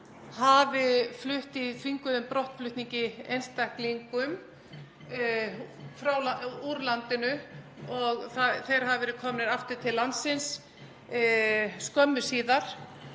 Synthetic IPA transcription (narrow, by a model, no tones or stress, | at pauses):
havɪflʏht̪it̪viŋkʏðʏmpɾɔht̪flʏht̪niɲcɪejnst̪ahkliŋkʏm | fɾaw̪auɾlant̪ɪnʏ | ɔɣθaθejɾhavɪvɛːɾɪkʰɔːmnɪɾaft̪ʏɾ̥t̪ʰɪlːant̪sɪns | skœmːʏsiːðaɾ̥